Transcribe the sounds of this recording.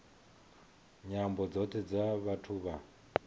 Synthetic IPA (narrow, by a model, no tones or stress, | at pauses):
ɲambɔd͡zɔtʰɛd͡zaβatʰuːβa